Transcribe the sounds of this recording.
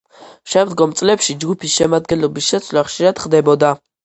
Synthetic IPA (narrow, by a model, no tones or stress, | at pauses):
ʃɛmd̪ɡɔmt̪sʼlɛpʃid͡ʒɡupʰisʃɛmad̪ɡɛnlɔbisʃɛt̪sʰwlaχʃiɾad̪̥χd̪ɛbɔd̪a